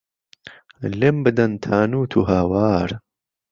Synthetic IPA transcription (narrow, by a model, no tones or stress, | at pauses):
lembɨd̪ɐnt̪ʰaːnuːt̪ʰuɦaːwaːɾ